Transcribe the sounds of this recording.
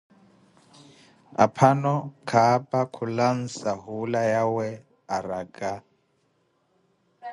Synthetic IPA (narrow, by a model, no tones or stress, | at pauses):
apʰanɔkʰapʼakʰulan̩saɦulajawɛ | aɾakʼa